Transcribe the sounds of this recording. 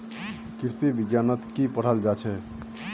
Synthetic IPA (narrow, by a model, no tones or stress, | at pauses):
kiɾsibiɡjanət̪kipəɽ̤əld͡ʒat͡ʃʰɛ